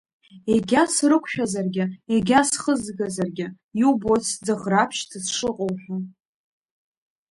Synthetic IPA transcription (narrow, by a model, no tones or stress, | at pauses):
eɡʲasrɨkʷʰʃᶣazarɡʲɪeɡʲasχəzɡazarɡʲɪ | iwbot͡sʰd͡zɨʁrapʰʃtʰɨsʂɨqʼowħʷᶣa